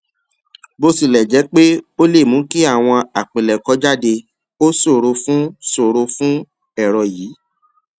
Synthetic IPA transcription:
bo˧si˦˨lɛ˨d͡ʒɛ˨˦k͡pe˦o˦le˦˨mũ˨˦ki˦a˦˨w̃ɔ̃˧a˨k͡pẽ˨lɛ˨kɔ˨˦d͡ʒa˦˨de˧ | o˦so˦˨ɾo˧fũ˦so˦˨ɾo˧fũ˦ | ɛ˦˨ɾɔ˨jiː˨˦

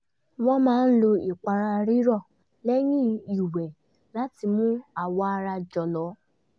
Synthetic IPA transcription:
w̃ɔ̃˦mãː˦n̩˦lo˧i˨k͡pa˧ɾa˧ɾi˦ɾɔ˦˨ | lɛ˦jĩ˦i˨wɛ˨ | la˨˦ti˧mũ˦a˨wɔ˧a˧ɾa˧d͡ʒɔ˨lɔ˨˦

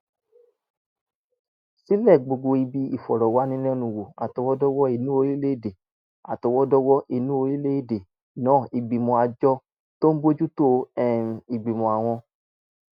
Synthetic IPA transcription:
si˦lɛ˦˨ɡ͡bo˧ɡo˧i˧bi˧i˨fɔ˨ɾɔ˨wa˨˦nĩ˧˦nɛ̃˦nũ˧˨wo˨a˨tɔ˧wɔ˦dɔ˦wɔ˦e˧˨nũ˦o˧ɾi˦le˦i˦˨de˨ | a̰˨tɔ˧wɔ˦dɔ˦wɔ˦ʔe˧˨nũ˦o˧ɾi˦le˦i˦˨de˨ | nãː˦˨i˨ɡ͡bi˨mõ˧a˧d͡ʒɔ˦ | to˦n̩˦bo˦d͡ʒu˦to˦ɛ̃˦˨i˨ɡ͡bi˨mɔ̃˨a˨w̃ɔ̃˧

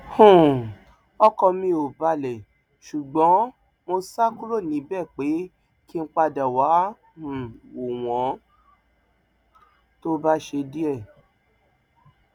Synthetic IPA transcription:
hũ˦˨ | ɔ˦kɔ˧mĩ˧o˨ba˧lɛ˨ | ʃu˨ɡ͡bɔ̃˨˦ | mo˧sa˦ku˦ɾo˦˨nĩ˨˦bɛ˦˨k͡pe˨˦ | ki˦˧n̩˧˦k͡pa˧da˨wa˨˦ | ũ˨wo˨w̃ɔ̃˨˦ | to˦ba˦ʃe˧di˦ɛ˦˨

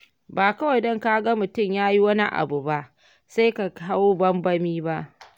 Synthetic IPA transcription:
baː˨kɐ˦wa˨jdɔ˦ŋkaː˦ɡa˦mʊ˨tʊ˦˨mjaː˦ji˦wɐ˦ni˦ʔa̰˨bu˨ba˦ʔ | sa˦jka˨ka˦woː˦bɐ˦mbɐ˦miː˦ba˦ʔ

